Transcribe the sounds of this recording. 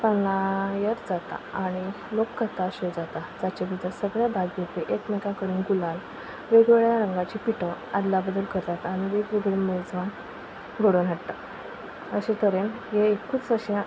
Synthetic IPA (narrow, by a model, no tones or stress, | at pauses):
panlãjəɾd͡zat̪a̰aɽ̃i | lokːət̪aɕed͡zat̪ad͡zat͡ɕabid̪asəɡɭjabʱaɡjup̪eʔekmɛkãkəɽiːnɡulal | ʋeɡʋeɭjaɾəŋɡat͡ɕipiʈəad̪labəd̪əlkəɾd͡zat̪ːñiʋekʋeɡɭeməd͡zʋan | ɡʱəɽənɦaɽt̪a | əɕẽt̪əɾen | jeːkut͡səɕea